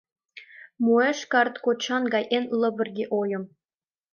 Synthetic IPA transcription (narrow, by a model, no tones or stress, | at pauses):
mueʃkɑrt̪kot͡ɕːɑnɡɑjʔenlɤ̆bɘ̆rɡʲeʔojɤ̆m